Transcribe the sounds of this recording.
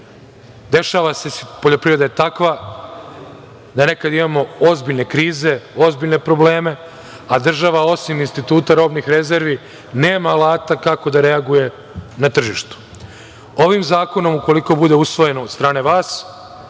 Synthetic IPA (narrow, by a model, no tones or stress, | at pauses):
d̪e̞ʃaːʋase̞spo̞ʎo̞pɾiʋɾe̞d̪ajet̪akʋa | d̪anekad̪imamo̞ozbiʎnekɾiːze̞o̞zbiʎne̞pɾo̞ble̞ːme̞ | ad̪r̩ʒaʋao̞siminst̪it̪uːt̪aɾo̞ːbnixɾe̞ze̞ɾʋi | neːmaːlˠaːt̪akako̞d̪aɾe̞aɡuje̞ | nat̪r̩ʒiʃt̪u̥ | o̞ʋimzaːko̞no̞muko̞liko̞bud̪e̞usʋo̞je̞nood̪st̪ɾaːne̞ʋaːs